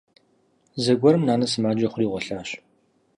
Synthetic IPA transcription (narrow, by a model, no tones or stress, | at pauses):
zɐɡʷɔɾɨmnaːnɐsɨmaːd͡ʒɐχʷʊriːʁʷɔɬaːɕ